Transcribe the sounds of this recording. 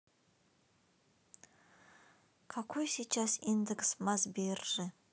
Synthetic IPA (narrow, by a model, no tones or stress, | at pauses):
kʰakʷʰujsit͡ʃʰasindekʰsmazbejrːɨ